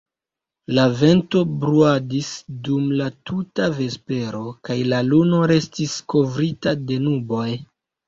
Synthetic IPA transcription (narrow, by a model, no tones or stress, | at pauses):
lave̞nto̞bɾuadisdumlatutave̞spe̞ɾo̞kajlaluno̞ɾe̞stisko̞vɾitade̞nubo̞j